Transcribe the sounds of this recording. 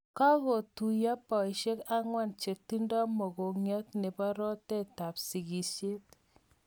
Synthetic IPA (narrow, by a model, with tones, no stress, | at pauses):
ka˦ko˨tu˨ja˦pɔ˨i˨ʃe˦ka˦ŋwa˦nt͡ʃe˨ti˦ndɔ˦mɔ˨ko˨ŋjɔ˦tnɛ˨pa˦ɾɔ˦tɛ˦ta˨psi˨ɡi˨ʃe˦t